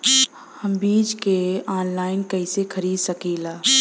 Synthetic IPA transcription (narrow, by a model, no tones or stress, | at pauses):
həmbiːd͡ʒkeaːnlaːɪnkəɪsekʰəɾiːd̪səkiːlaː